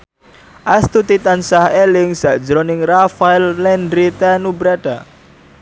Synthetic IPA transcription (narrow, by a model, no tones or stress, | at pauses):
ʔast̪ut̪it̪ansahelɪŋz̥aʔd͡ʒɾonɪŋrafaɪlːɛndɾit̪anubɾaɖ̥a